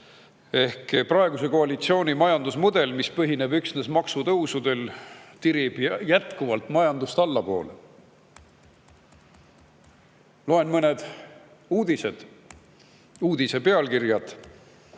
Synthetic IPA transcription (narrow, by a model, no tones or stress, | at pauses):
e̞hkprɑe̞ɡ̥use̞ko̞ɑlit̪sio̞ːnʲimɑjɑnd̪usmud̪̥e̞lmispɤɦine̞byksne̞smɑksut̪ɤwsud̪e̞lt̪iɾib̥jæt̪kuvɑlt̪ˑmɑjɑnd̪ust̪ɑlːɑpo̞̰ːle | lo̞e̞nmɤne̞d̪̥ | uːd̪̥ised̪̥ | uːd̪̥ise̞pe̞ɑlkirjɑd̪̥